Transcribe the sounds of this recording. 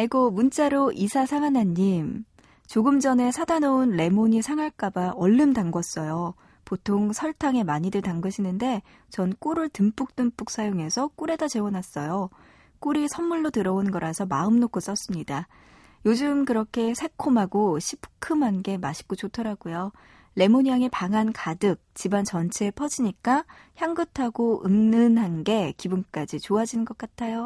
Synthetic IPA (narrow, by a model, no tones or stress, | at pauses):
aiɡomunt͡ɕ͈aɾoʔisʰasʰaŋanaɲim | t͡ɕoɡɯmd͡ʑʌne̞sʰadanounle̞moɲisʰaŋaɭk͈abaʔʌɭːɯmtaŋɡʌs͈ʌjo | potʰoŋsʰʌɭtʰaŋe̞maɲidɯɭtaŋɡɯɕʰinɯnde̞ | t͡ɕʌnk͈oɾɯɭtɯmp͈uk̚t͈ɯmp͈uk̚s͈ajoŋe̞sʰʌk͈uɾe̞dat͡ɕe̞unas͈ʌjo | k͈oɾisʰʌmːuɭːotɯɾʌonɡʌɾasʰʌmaɯmnokʰos͈ʌs͈ɯmɲida | jod͡ʑɯmkɯɾʌkʰe̞sʰe̞kʰomɦaɡoɕʰipʰkʰɯmɦanɡe̞maɕʰi̥k͈ot͡ɕotʰʌɾaɡujo | le̞moɲaŋepaŋankadɯk̚t͡ɕibant͡ɕʌnt͡ɕʰe̞pʰʌd͡ʑiɲik͈a | çjaŋɡɯtʰaɡoɯŋnɯnɦanɡe̞kibunk͈ad͡ʑit͡ɕoad͡ʑinɯnɡʌk͈atʰajo